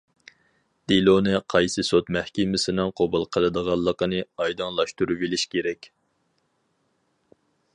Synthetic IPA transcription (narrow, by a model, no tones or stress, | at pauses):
d̪̥ilˠonɨqʰɑjsɨsot̪mɛhkʲɪmɪsɪnɨŋqʰobɨlˠqʰəlˠɨd̪əʁɑlˠːəqənɨɑjd̪ɨŋlˠɑʃt̪uɾubilɪʃkʲeɾɛkʲ